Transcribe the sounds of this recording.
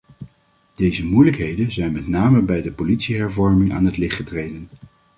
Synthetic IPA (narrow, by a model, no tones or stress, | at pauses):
d̥ejzəmujləkɦejdənzɛjnmɛtnaːməbɛjdəpolitsiɦɛɹvɔɹmɪŋa̰ːnɦətlɪχtχətrejdən